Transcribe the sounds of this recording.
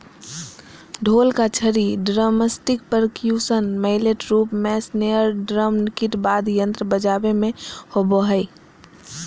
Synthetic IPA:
ɖʱoːlkat͡ʃʰəɾiɖɾaməsʈɪk̚pəɾkjusənməɪleʈɾuːpmɛsneəɾɖɾəmnɪkiʈbad̪jə̃nt̪ɾəbəd͡ʒabemẽhoboɦəɪ

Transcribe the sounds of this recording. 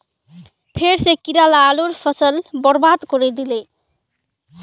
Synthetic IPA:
pʰeɾsekiɾalaloɾpʰəsəlbəɾbad̪kɔɾɛd̪ile

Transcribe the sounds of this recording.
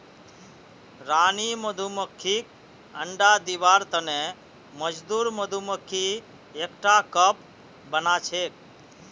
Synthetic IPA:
ɾaniməd̪ʱuməkʰːik | əɳɖad̪iʋaɾt̪əne | məd͡ʒd̪uɾməd̪ʱuməkʰːi | ekʈakəp | bənat͡ʃʰek̚

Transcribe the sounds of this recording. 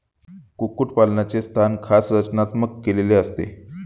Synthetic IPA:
kukuʈpalnjat͡sest̪ʰankʰasɾət͡ɕnat̪məkːeleleəst̪ḛ

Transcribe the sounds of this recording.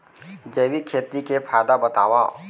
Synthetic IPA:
d͡ʒeːwikʰeːt̪ɾikepʰaːd̪abɐt̪a̰ːwa

